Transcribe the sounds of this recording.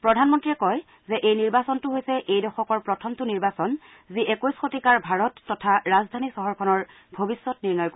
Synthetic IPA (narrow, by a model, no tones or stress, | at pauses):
pɹɔdʱanmɔntɹiɛkɔj | zɛʔejniɹbasɔntʊɦojsɛʔejdɔxɔkɔɹpɹɔtʰɔmtuniɹbasɔn | ziʔɛkojsxotikaɹbʱaɹɔtːɔtʰaɹazdʱanisɔɦɔɹkʰɔnɔɹ | bʱobisːɔtniɹnɔjk